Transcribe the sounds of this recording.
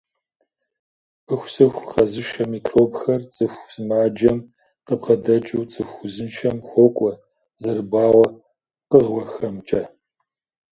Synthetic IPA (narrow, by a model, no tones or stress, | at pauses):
pʰɨxʷsɨxʷqɐzɨʃɐmikʰroːbxɐrt͡sʼɨxʷsɨmaːd͡ʒɐm | qəbʁɐdɐt͡ʃʼɨwt͡sʼɨxʷʊzɨnʃʰɐmxʷɔkʷʼɔ | zɨrɨbaːwɐ | qəʁwɔxɐmt͡ʃʼɐ